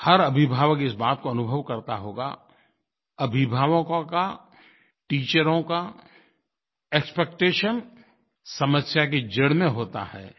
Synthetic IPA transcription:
hɐɾɐbʱɪbʱaːʋəkɪsbaːt̪̚koɐnʊbʱəʋkɐɾt̪a̰ɦoːɡa̰ | ɐbʱɪbʱaːʋõkka | ʈiːt͡ʃəɾõka | eːkspek̚ʈeːʃən | sɐməsjaked͡ʒɪɽmẽɦoːt̪a̰hɛ̰ː

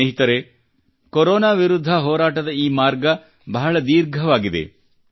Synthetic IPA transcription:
eɦit̪ɐɾe | koɾoːnaːʋiɾud̪ʱːɐɦɔːɾaːʈɐd̪ɐiːmaːɾɡɐ | bɐɦɐɭɐd̪iːɾɡʱɐʋaːɡid̪ḛ

